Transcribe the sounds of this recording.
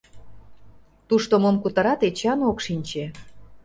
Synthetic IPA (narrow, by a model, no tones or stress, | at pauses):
t̪uʃt̪omomkut̪ɑɾɑt̪et͡ɕɑnokʃinʲt͡ɕe